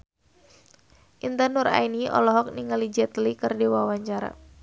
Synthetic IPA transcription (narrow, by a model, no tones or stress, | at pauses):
ʔint̪anura̰iniɔ̰lɔɦɔk̚niŋalid͡ʒat̪əlikərdiwawaɲt͡ʃaɾa̰